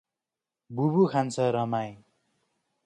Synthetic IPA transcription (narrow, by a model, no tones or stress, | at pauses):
bubukʰant͡sʰʌɾʌmaj